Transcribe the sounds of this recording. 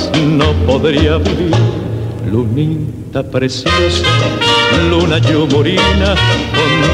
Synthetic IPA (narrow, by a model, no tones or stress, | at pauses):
nopoðɾiaβiðiɾlunit̪apɾesjosa | lunaʎumoɾinaon